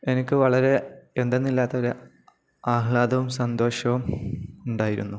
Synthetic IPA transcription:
e̞nikʲːɨʋɐɭɐɾe̞end̪enːilːaːt̪ːɐoɾe | aːɦɭaːd̪ɐʋumsɐnd̪o̞ːɕɐʋumuɳɖaːjiɾṵnːu

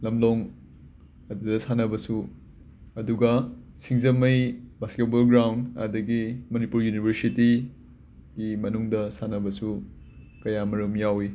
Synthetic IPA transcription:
lɐmloŋ | ɐdudɐsanɐbɐsu | ɐduɡɐsiŋzɐmɐjbasket̚bɐlɡɾawndɐ̰dɐɡimɐnipuɾjunibʱɐɾsiti | ɡimɐnuŋdɐsanɐbɐsu | kɐjamɐɾumjawi

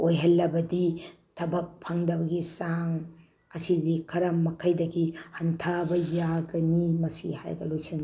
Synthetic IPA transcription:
ojɦɐlːɐbɐdi | tʰɐbɐk̚pʰaŋdɐbɐɡisaŋ | ɐsidikʰɐɾɐmːɐkʰɐjdɐɡihɐntʰabɐjaɡɐnimɐsiha̰jɡɐlojsin

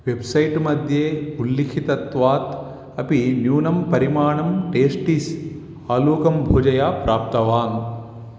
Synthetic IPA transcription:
ʋebsɐjʈmɐd̪ʱjeːulːikʰit̪ɐt̪ʋaːt̪ | ɐpinjuːnɐmpɐɾimaːɳɐmʈeːsʈis | aːluːkɐmbʱuːd͡ʒɐjaːpɾaːp̚t̪ɐʋaːŋ

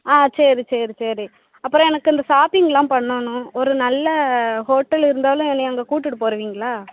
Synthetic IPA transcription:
aːseːɾit͡ʃeːɾit͡ʃeːɾi | ɐpːɯɾɔ̃ɛnɐkːɯɪnd̪ɐsaːpɪŋɡlãːpɐɳːonʊ̃ɔɾɯnɐlːɐhoːʈːɐlɪɾɯnd̪aːlʊ̃ɛnːɛɐŋɡɐkuːʈːɯʈːɯpoːɾɐʋiːŋɡɐɭaː

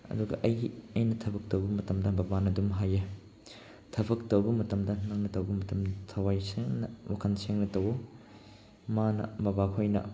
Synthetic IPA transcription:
ɐ̰duɡɐ̰ʔɐjɐjnɐtʰɐbɐk̚tɐwbɐmɐtɐmdɐbɐbanɐdumɦaje | tʰɐbɐk̚tɐwbɐmɐtɐmdɐnnaŋnɐtɐwbɐmɐtɐmtʰɐwajseŋnɐwakʰɐnseŋnɐtɐwo | manɐ̰bɐbakʰojnɐ̰

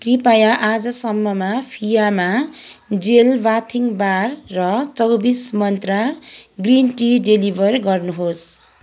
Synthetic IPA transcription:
kripajaʔad͡zʌsʌmːʌmapʰijamad͡zelbat̪ʰiŋbarːʌt͡sʌwbismʌnt̪raɡrinʈiɖelibʱʌrɡʌrnuɦos

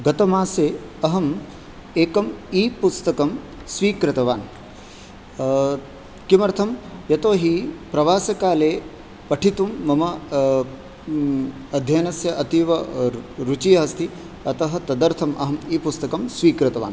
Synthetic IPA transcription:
ɡɐt̪ɐmaːseːɐɦɐm | eːkɐmiːpust̪ɐkɐm | sʋiːkɾɪt̪ɐʋaːn | kimɐɾt̪ʰɐmjɐt̪oːɦipɾɐʋaːsɐkaːleː | pɐʈʰit̪umːɐmɐ | ɐd̪ʱjɐnɐsjɐʔɐt̪iːʋɐɾut͡ʃijɐɦɐst̪ʰi | ɐt̪ɐɦɐ̆t̪ɐd̪ɐɾt̪ʰɐmʔɐɦɐmiːpust̪ɐkɐmsʋiːkɾɐt̪ɐʋaːn

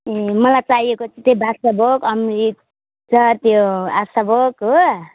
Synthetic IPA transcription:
emʌlajt͡saɦijekot͡sʰit̪ebʱasabʱokʌmɾik | t͡sʰʌt̪joasabʱoko

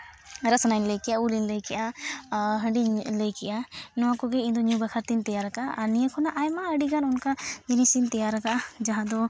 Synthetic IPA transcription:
ɾəsnajnləjkɛjaulinləjkɛʔa | ɦəɳɖinləjkɛʔanɔwakɔɡɛind̪ɔɲjubakʰaɾt̪int̪ɛjaɾakaʔʔːnijəkʰɔnaʔajmaəɖiɡanunkad͡ʒenisint̪ɛjaɾakaʔad͡ʒaɦãd̪ɔ

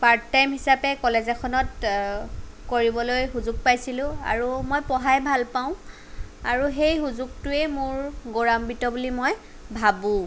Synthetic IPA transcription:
paɹtːajmɦisapɛkɔlezɛkʰɔnɔt | koɹibɔlojɦuzuɡ̚pajsilʊ̃a̰ɹumojpɔɦajbʱalpaʊ̃ | aɹuɦejxuzuɡ̚tʊɛmʊɹɡoɹambitɔbulimoj | bʱabũ

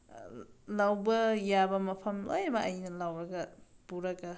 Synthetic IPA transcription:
lawbɐjabɐmɐpʰɐmlo̰jɐbɐʔɐjnɐlawɾɐɡɐb̥uɾɐɡɐ

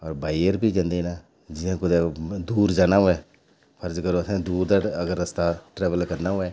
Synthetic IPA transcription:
ɔːɾbaːijəɾbʱiːd͡ʒãːnd̪eːnaː | d͡ʒɪnẽːkʊd̪ed̪uːɾd͡ʒaːnaɦoɛː | pʰəɾd͡ʒkəɾoət̪ẽːd̪uːɾd̪aːəɡəɾːəst̪aːʈɾɛːʋəlkəɾnaːɦoɛː

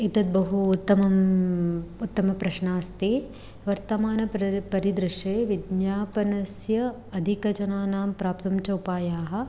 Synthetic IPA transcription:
it̪ɐt̪̚bɐɦuːt̪ːɐmɐm | ut̪ːɐmɐpɾɐʃɳaːst̪i | ʋɐɾt̪ɐmaːnɐppɐɾid̪ɾɪʂeːʋid̪njaːpɐnɐsjɐ | ɐd̪ʱikɐt͡ʃɐnaːnaːmpɾaːp̚t̪ɐmt͡ʃɐupaːjaːɦɐ̆

